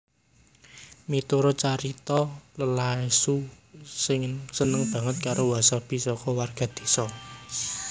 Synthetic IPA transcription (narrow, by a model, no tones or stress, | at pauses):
mit̪uɾɔt͡ʃaɾit̪ɔləlaesusɪŋsənəŋb̥ä̤ŋət̪̚kaɾowasab̥i̤sɔkɔwarɡ̥a̤d̪̥i̥̤sɔ